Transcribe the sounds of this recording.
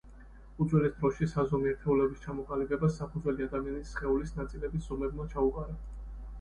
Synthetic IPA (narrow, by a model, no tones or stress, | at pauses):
ud̪zwɛlɛsd̪ɾɔʃisazɔmiɛɾt̪ʰɛulɛbist͡ʃʰamɔqʼalibɛbasːapʰud̪zwɛliad̪amianisːχɛulisnat̪sʼilɛbisz̥ɔmɛbmat͡ʃʰauqʼaɾɛ